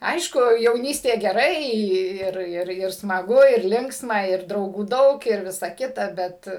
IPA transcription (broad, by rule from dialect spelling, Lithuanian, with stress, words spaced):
ˈɐɪʃkʊ jɛʊˈnʲiːsʲtʲeː ɡʲɛˈrɐɪ ˈɪr ˈɪr ɪr smɐˈɡʊ ɪr ˈlʲɪŋksmɐ ˈɪr drɐʊˈɡuː ˈdɐʊk ɪr ˈʋʲɪsɐ ˈkʲɪtɐ ˈbʲɛt